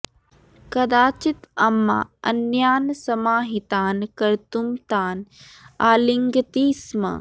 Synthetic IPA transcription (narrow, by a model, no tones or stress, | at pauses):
kɐd̪aːt͡ʃit̪ɐmːa̰ɐnjaːnsɐmaːɦit̪aːnkɐɾt̪umt̪aːnaːliŋɡt̪iːsmɐ̰